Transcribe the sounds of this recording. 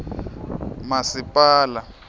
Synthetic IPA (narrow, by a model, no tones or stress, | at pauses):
masipʼaːla